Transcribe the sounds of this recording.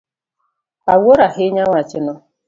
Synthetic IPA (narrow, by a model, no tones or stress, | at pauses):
awoɾaɦɪɲaŋʷat͡ʃɪnʊ